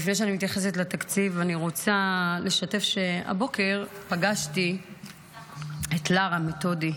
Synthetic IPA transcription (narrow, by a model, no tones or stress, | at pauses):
ifnejʃeanimit̪jaχe̞s̬etlatakt͡sivaniʁo̞t͡sale̞ʃate̞fʃe̞a̰bo̞ke̞ʁpaɡaʃti | etlaʁame̞to̞di